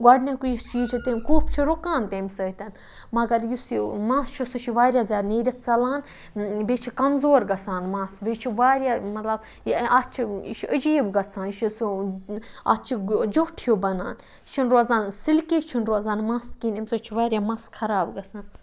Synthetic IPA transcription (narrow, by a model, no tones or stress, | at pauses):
ɡɐɖnʲakujist͡ʃiːt͡ʃʰit̪enkuːpʰt͡ʃʰiɾukãːnt̪emʲsɐːt̪ʲɐn | mɐɡɐɾjusimãːst͡ʃʰusut͡ʃʰiʋaːɾʲjaːzʲaːd̪neːɾʲɐt̪t͡sɐlaːn | beːt͡ʃʰikɐmzoːɾɡɐsaːnmãːsbeːt͡ʃʰiʋaːɾʲjaːmɐt̪lɐb | at̪t͡ʃʰiiʃʰiəd͡ʒiːbɡɐsʰaːniʃisu | a̰t̪̚t͡ʃʰid͡ʒoʈʰjobɐnaːn | t͡ʃʰinɾozaːnsilkiːt͡ʃʰinɾozaːnmãːst̪kiːnimʲsəːt͡ʃʰiʋaːɾjaːmɐːskʰɐɾaːbɡɐsaːn